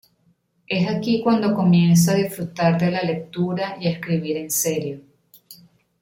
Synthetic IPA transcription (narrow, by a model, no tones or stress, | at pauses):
e̞sakikwand̪o̞ko̞mje̞ns̬aaðisfɾut̪aɾðe̞lale̞k̚t̪uɾaieskɾiβ̞iɾe̞nse̞ɾjo̞